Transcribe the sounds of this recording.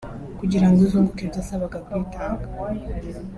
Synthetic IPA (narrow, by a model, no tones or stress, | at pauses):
kuɟiɾaŋɡuzuŋɡukivaːsaβaɡakwiːtʰaːŋɡḁ